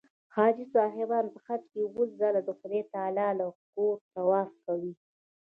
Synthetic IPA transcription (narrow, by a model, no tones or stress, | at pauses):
xɑːd͡ʒisɑɦɪbɑnpəxat̪kewoszalad̪əxʊd̪et̪ɑlɑlakoɾt̪awɑfkawi